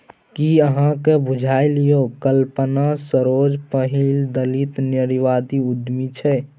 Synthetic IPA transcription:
kiəɦãkebud͡ʒʱailijokəlpənasəɾod͡ʒpəɦild̪əlit̪nəɾiʋad̪iud̪mit͡ʃʰɛ

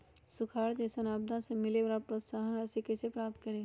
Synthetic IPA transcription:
sʊkʰaːɾt̪esɐnaːb̚d̪ʱãsemɪlebɾaːpɾot̪saːɦənɐsikesepɾaːp̚t̪̚kɐɾeː

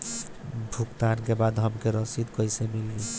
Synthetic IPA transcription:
bʱukt̪aɾkebad̪ʱɦʌmkeɾɔsid̪kɔjsemilːi

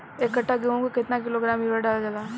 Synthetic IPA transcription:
ekːəʈːaɡeõkokɪt̪nakɪloɡɾaːmiɾaɖaːld͡ʒalaː

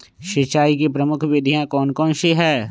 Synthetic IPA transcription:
ʃet͡ʃaːikepɾəmʊkʰbeːd̪ʱijãkɔːnkɔːnʃeɦɛː

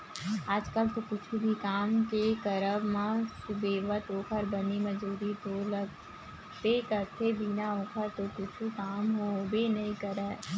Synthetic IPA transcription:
aːd͡ʒkəlt̪okʊt͡ʃʰubʱikaːmkekəɾəbma | beːʋət̪oːkʰəɾbəniməd͡ʒuːɾit̪olə | t̪ekəɾt̪ʰebʱinaõːkʰəɾt̪okʊt͡ʃʰukaːmɦoʊbʱenɐĩkəɾɛː

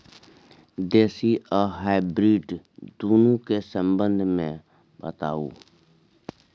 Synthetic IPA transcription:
d̪eːsiəɦaːɪbɾiːɖ | d̪oːnũkesə̃mbə̃nd̪ʱmḛ̃ | bə̰t̪a̰ːṵː

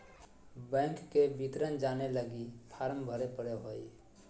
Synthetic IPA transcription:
bɛ̃ːŋkːebit̪ɾənd͡ʒaːneləɡipʰaːɾmbʱəɾepəɾeɦoːi

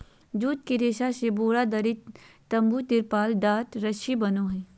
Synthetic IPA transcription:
d͡ʒuːt̪̚kiɾeːʃaseboːɾad̪ɐɾɪt̪t̪ɐ̃mbut̪ɪɾpaːlɖaːʈɾɐʃibɐnoɦɛː

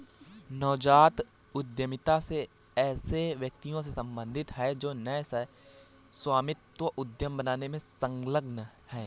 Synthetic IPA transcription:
nɔːd͡ʒaːt̪ | ʊd̪jəmɪt̪ase | ɛːseʋjək̚t̪ijõs̬esɐ̃mbə̃nd̪ʱɪt̪ɦɛd͡ʒoːnɛːsɛ | swaːmɪt̪wəʔʊd̪jəmbɐnaːnemẽsə̃ŋɡləɡn | hɛː

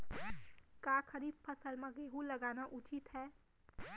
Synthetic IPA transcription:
kaːkʰəɾiːbpʰəsəlmẽɡeːɦulɐɡaːnaʔʊt͡ʃɪt̪ɦɛː

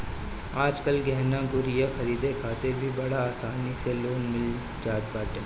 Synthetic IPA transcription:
aːd͡ʒkəlɡɛɦnãɡʊɾjəxɐɾiːd̪ekʰaːt̪ebʱibɐɽaaːsaːniseloːnmɪl | d͡ʒaːt̪̚baːʈeː

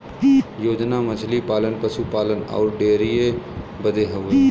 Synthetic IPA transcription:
joːd͡ʒnaːmət͡ʃʰlipaːlənpəsupaːlənɔ̰ːɾɖeːɾijebəd̪eːɦəʋe

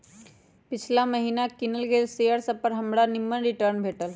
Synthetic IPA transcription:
pɪt͡ʃʰlaməɦiːnakɪnəlɡesejəɾsɐpəɾɦɐmɽanɪmːənɾɪʈəɾnbʱeːʈəl

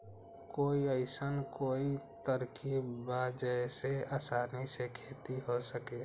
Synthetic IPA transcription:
koːiəɪsənkoːit̪əɾkibaːd͡ʒəseaːsaːnisekʰeːt̪iɦosəke

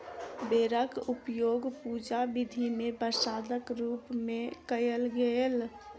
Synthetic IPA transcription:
beːɾəkupjoːɡpud͡ʒabid̪ʱimẽpəsaːd̪əkɾuːpmẽkəjəlɡel

